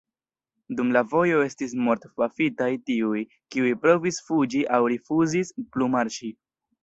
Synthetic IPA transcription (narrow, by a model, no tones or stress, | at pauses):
dumlavo̞jo̞e̞stis̬mo̞ɾtfafitajtiuj | kiujpɾo̞visfud͡ʒiʔawɾifuzisplumaɾt͡ʃi